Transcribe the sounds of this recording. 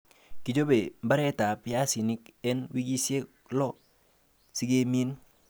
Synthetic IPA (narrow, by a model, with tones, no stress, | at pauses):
ki˨d͡ʒo˦be˨mba˦ɾɛ˦ta˨pja˦si˨nɪ˦kɛ˦nwi˦ɡi˦sje˦k | lɔ˦ | si˦ɡe˦mi˦n